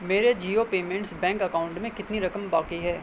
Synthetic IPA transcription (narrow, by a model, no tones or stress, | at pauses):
meːɾed͡ʒiːopeːmɛ̃ɳʈsbɛ̃ːŋkɐkaːʊ̃ɳʈmẽkɪt̪niɾɐkəmbaːkiɦɛː